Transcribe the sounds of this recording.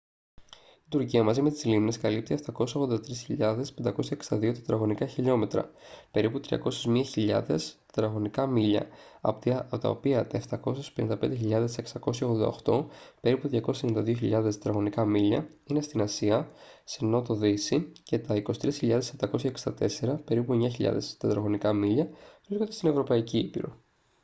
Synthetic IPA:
id̪uɾciɐmɐzime̞t̪i̥slimne̞skɐlip̚t̪ieft̪ɐko̞seso̞ɣðnd̪ɐt̪ɾisçiʎɐðe̞spe̞nd̪ɐko̞sçɐekst̪ɐðio̞t̪ɐ̥t̪ɾɐɣo̞nikɐçiʎo̞me̞t̪ɾɐ̰pe̞ɾiput̪ɾiɐ̰ko̞sezmiɐçiʎɐ̰ðe̞st̪t̪ɾɐɣo̞nikɐmiʎɐ̰ɐ̰pt̪ːot̪ɐ̰o̰piɐt̪ɐeft̪ɐko̞sespenind̪ɐpe̞nd̪eçiʎɐðe̞seksɐko̞sçɐoɣðod̪ɐoxt̪o̞pe̞ɾiput̪ðʝɐko̞seennd̪ɐðioçiʎɐðesɐt̪ɾɐɣo̞nikɐmiʎɐ | inest̪inɐsiɐ | seno̞t̪o̞ðisice̞t̪ɐiko̞si̥t̪ɾisçiʎɐðesept̪ɐko̞sçɐeksid̪ɐt̪e̞se̞ɾɐpe̞ɾipue̞ɲɐçiʎɐ̰ðe̞̰st̪ɐt̪ɾɐɣo̞nikɐmiʎɐvɾiskond̪et̪ine̞vɾo̞pɐiciipḭɾo̞̰

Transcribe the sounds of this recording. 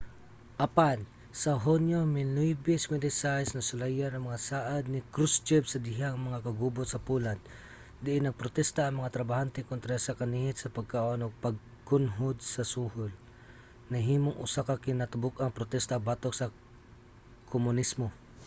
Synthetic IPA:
ʔɐpan | sɐɦonjomɪnujbɪsmɪd̪ɪsajsnɐsʊlajanɐŋmɐŋasaːʔad̪̚nɪkɾust͡ʃɛbsɐd̪ɪɦaŋmɐŋakɐɡubot̪̚sɐpulan | d̪ɪʔɪnɐɡ̚pɾot̪ɛst̪aːŋmɐŋat̪ɾɐbahant̪ɛkont̪ɾasɐkɐnihɪt̪sɐpɐɡ̚kaːʔonoɡ̚pɐɡ̚ | kʊnɦʊd̪̚sɐsuhʊl | nɐɦiːmoŋʔʊsakakɪnat̪ʊbʊkɐŋpɾot̪ɛst̪abat̪oksɐ | kʰomʊnismo

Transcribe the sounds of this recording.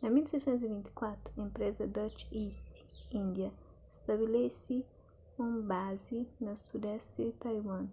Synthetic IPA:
namilsɛjt͡ʃɛ̃nt̪uzivint̪i̥kwat̪ɾuĩmpɾɛzad̪at͡ʃist̪ind̪ja | st̪aβilɛsi | umbazinasud̪ɛst̪ed̪it̪ajwan

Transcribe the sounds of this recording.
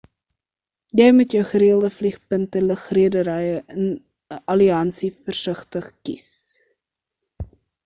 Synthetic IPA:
jɛjmutjœwχəɾiəlˠdəfliχpəntələχriədəɾɛjəʔən | əʔɐliɐnsifərsəχtəχkis

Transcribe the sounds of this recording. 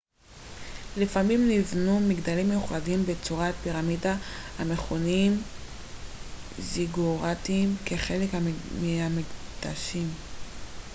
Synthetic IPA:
lifamimnivnumiɡdalimːejuχadimbe̞t͡suʁat̚piʁamidahame̞χonim | ziɡuʁat̪imkeχe̞lekhameamikd̥a̰ʃim

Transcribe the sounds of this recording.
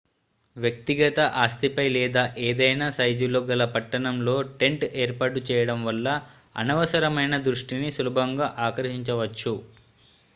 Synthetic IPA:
ʋjɐk̚t̪iɡɐt̪ɐʔaːst̪ʰipɐjlɛːd̪aːʔeːd̪ɐjnaːsɐjd͡ʒuloɡɐlɐpɐʈːɐɳɐmlo̞ːʈe̞ɳʈeːɾpaːʈ̬ut͡ʃɛːjɐɽɐmʋɐlːɐ | ɐ̰nɐʋɐsɐɾɐmɐjnɐd̪ɾuʂʈinisulubʱɐŋɡaːʔaːkɐɾʃiɲt͡ʃɐʋɐt͡ʃːu

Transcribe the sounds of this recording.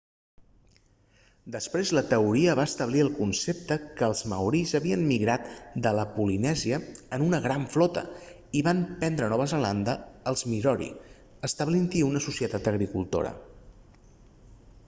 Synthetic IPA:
d̪əspɾezlət̪əuɾiəβaəst̪əβliəlˠkunsep̚t̪əkəːlˠzmə̰wɾizəβiənmiɣɾat̪d̪ələpulinɛziəənunəɣɾaɱflɔt̪ə̰ | iβampɛnd̪ɾənɔβəzəland̪əːlˠzmiɾɔɾḭ | əst̪əβlint̪iunəsusiət̪at̪əɣɾikulˠt̪o̰ɾə̰

